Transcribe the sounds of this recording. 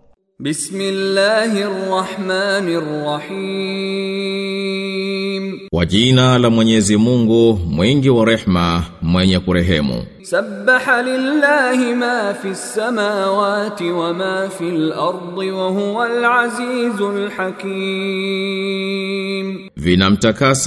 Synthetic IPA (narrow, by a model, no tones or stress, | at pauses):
bɪsmɪlːaːɦɪɑrˤːɑħmaːnrːɑħi | mkwa̰ʄinalamwɛɲɛzimuŋɡumwiŋɡiwaɾɛħmamwɛɲɛkuɾɛɦɛmṵ | sabːaħalɪlːaːhɪmaːfiːsːamaːwaːt̪ɪwamaːfilʔɑɾˤd̪ˤɨwaɦʊwalʕaziːzʊlħakiː | m | vinam̩takas